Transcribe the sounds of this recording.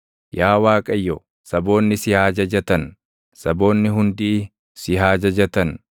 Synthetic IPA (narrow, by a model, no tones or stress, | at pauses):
jaːwaːkʼɐjːɔ | sɐbo̞ːnːɪsɪhaːd͡ʒɐd͡ʒɐt̪ɐn | sɐbo̞ːnːɪɦʊnd̪iː | sɪɦaːd͡ʒɐd͡ʒɐt̪ɐn